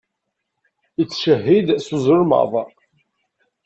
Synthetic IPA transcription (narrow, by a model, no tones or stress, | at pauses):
it͡sːʃəɦːid̪sʊzˤʊɾmə̰ðˤ